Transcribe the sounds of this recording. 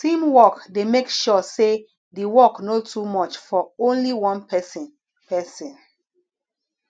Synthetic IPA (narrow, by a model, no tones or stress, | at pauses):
tĩmwɔkdemekʃɔse | diwɔknotʰumɔt͡ʃfɔõnliwɔ̃npʰɛsɔ̃n | pʰɛsɔ̃n